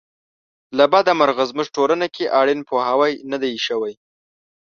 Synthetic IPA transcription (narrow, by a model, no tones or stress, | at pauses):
labɑd̪amaɾɣazməʒʈolanakʲeʔɑɽɪnpohawajnad̪ajʃəwaj